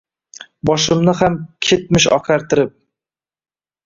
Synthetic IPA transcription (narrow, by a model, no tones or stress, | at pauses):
bɒʃɪmnɪhamkʲʰet̪̚mɪʃɒ̰qʰaɾt̪ʰɪɾɪp̚